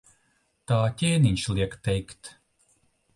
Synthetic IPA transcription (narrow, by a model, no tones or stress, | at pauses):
t̪aːt̪ʲɛːniɲʲʃlˠiɛkt̪ɛjkt̪